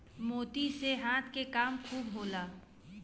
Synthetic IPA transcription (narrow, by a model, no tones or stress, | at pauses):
moːt̪iseɦãːt̪ʰkekaːmkʰuːbɦoːlaː